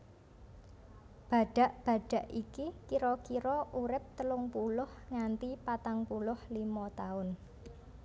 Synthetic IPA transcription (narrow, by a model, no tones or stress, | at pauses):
b̥a̤ɖ̥a̤ʔb̥a̤ɖ̥a̤ʔikikiɾɔkiɾɔʔuɾɪp̚t̪əlʊŋpulʊhŋant̪ipat̪aŋpulʊhlimɔt̪aʊn